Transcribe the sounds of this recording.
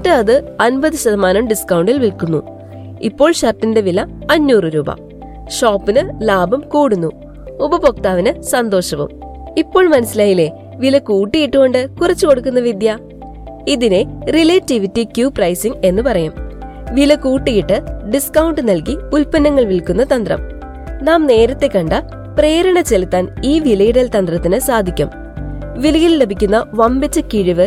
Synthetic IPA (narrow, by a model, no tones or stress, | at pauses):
tːɨɐðɨɐnbɐðɨɕɐðɐmaːnɐmɖiskɐwuɳɖilʋilkunːu | ipːo̞ːɭɕɐrtːinde̞ʋilɐːnːuːrɨɾuːbɐ̰ | ɕoːpːinɨlaːbɐmkuːɽunːu | ubɐbok̚t̪aːʋinɨsɐnd̪o̞ːɕɐʋṵm | ipːoːɭmɐnɐsilaːjile̞ | ʋilɐkuːʈːiɣiʈːuko̞ɳɖɨkurɐt͡ɕːuko̞ɽukːunːɐʋid̪jɐ | iðine̞rileːtːiʋitːikjuːprɐjsiŋɡe̞nːɨpɐrɐjum | ʋilɐkuːʈːiɣiʈːɨɖiskɐwɳɖɨnɐlkiulpɐnːɐŋːɐɭʋilkun̪ːɐt̪ɐnd̪rɐ̰m | naːmne̞ːɾɐt̪ːe̞kːɐɳɖɐ | pre̞ːɾɐɳɐt͡ɕe̞lit̪ːaːniːʋilɐjiɽɐlt̪ɐnd̪rɐt̪ːinɨsaːd̪ʱikʲːum | ʋilɐjille̞bʱikʲːunːɐʋɐmbit͡ɕːɐkːiɻiʋɨ